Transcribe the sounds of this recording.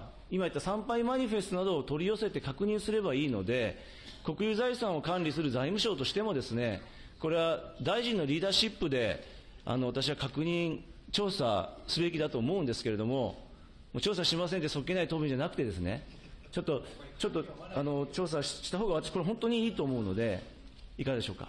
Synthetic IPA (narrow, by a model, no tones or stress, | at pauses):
imait̪ːasãmpaimaɲ̟iɸe̞sɨt̪o̞nad̪o̞ːt̪o̞ɾʲijo̞se̞t̪e̞kakɯ̟ɲ̟ĩɰ̃sɨɾe̞baiːno̞̰d̪e̞ | ko̞kɯ̟jɯːzaisãɰ̃o̞kãnɾʲisɨɾɯ̟zaimɯ̟ɕo̞ːt̪o̞ɕi̥t̪e̞mo̞d̪e̞sɨne̞ | ko̞ɾe̞βad̪aiʑĩnːo̞ɾʲiːd̪aːɕipːɯ̟d̪e̞ | a̰no̞βat̪aɕiβakakɯ̟ɲ̟ĩɰt͡ɕo̞ːsa̰sɨbe̞kʲid̪at̪o̞ːmo̞ɯ̟̃nd̪e̞sɨ̥ke̞ɾe̞d̪omo̞ | moːt͡ɕoːsaɕimas̬ẽ̞nt̪eso̞kʲːenait̪oːbʲĩd͡ʑanakɯ̟̥t̪ed̪e̞sɨne̞̰ | t͡ɕo̞t̪ːo̞t͡ɕo̞t̪ːoano̞t͡ɕo̞ːs̬aɕi̥t̪aɦoːɡaβat̪aɕi̥koɾeɦõ̞nt̪o̞ɲ̟iiːt̪o̞ːmo̞ɯ̟no̞̰d̪e̞ | ikad̪e̞ɕo̞ːka̰